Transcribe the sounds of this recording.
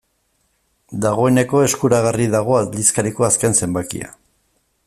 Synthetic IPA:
d̪aɣ̞o̞e̞ne̞ko̞e̞skuɾaɣariðaɣ̞o̞aðliskaɾiko̞aske̞nse̞mbakḭa̰

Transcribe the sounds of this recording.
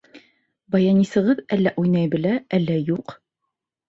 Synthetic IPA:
bɑjɑnʲisɤ̆ʁɤðælːæʔujnɑjbɘ̆læælːæjuq

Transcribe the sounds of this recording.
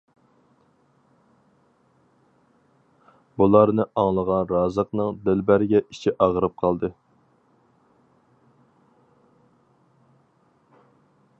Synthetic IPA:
bulˠɑɾnɨʔɑŋlˠəʁɑnɾɑːzəqnɨŋd̪ɪlbæɾɪɡʲɛʔi̥t͡ʃʰiʔɑʁəɾɨp̚qʰɑlˠd̪ɨ

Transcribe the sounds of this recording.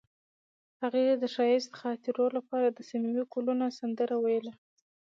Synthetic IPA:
haɣed̪əʃɑjest̪ɪ̥xɑt̪iɾolapɑɾad̪əsamiwikulunosand̪əɾawajəla

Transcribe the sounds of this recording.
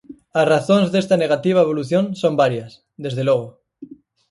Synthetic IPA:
asraθonzðest̪aneɣat̪iβ̞aeβ̞o̞luθjõnso̞mbaɾjas | d̪e̞zðelwoɣ̞o

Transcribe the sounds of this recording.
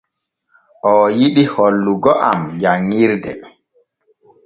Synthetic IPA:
ʔɔjiɗiholːuɡɔʔa̰md͡ʒaŋːiɾdɛ

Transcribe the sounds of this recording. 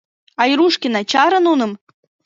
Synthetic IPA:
ɑjɾuʂkʲinɑt͡ɕɑɾɤ̆nunɤ̆m

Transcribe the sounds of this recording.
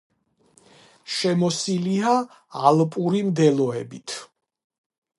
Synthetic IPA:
ʃɛmɔsiliaː | lˠpʼuɾimd̪ɛlˠɔɛbit̪ʰ

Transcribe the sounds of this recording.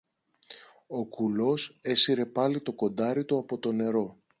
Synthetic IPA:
o̞kulo̞se̞siɾe̞pɐlit̪o̞ko̞nd̪ɐɾit̪uɐpo̞t̪o̞ne̞ɾo̞

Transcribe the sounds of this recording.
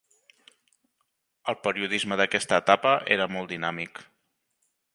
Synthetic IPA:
əlˠpəɾiuð̞izməðəkɛst̪əːt̪apəʔḛɾəmɔlˠd̪inamik

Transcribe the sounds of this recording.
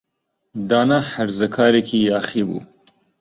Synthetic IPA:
d̪ɑːnaħaɾzɐkʰɑːɾekʰiaːxibṵ

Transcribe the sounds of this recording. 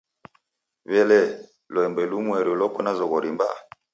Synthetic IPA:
βɛlɛ | lɔɛmbɛlumwɛɾiɔlɔkɔnazɔɣɔɾimba̰

